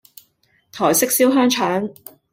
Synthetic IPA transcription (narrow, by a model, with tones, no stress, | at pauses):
t̪ʰɔː˨˩jsɪ˥k̚siː˥wɦœː˥ŋt͡ʃʰaː˨˥n